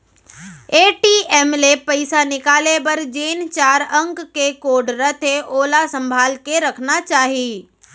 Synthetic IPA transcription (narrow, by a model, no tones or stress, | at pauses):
eːʈiɛːmlepɐɪsanɪkaːlebɐɾd͡ʒeːnt͡ʃaːɾə̃ŋkkekoːɖɾət̪ʰeʔoːlasə̃mbʱaːlkeɾɐkʰnat͡ʃaːɦiː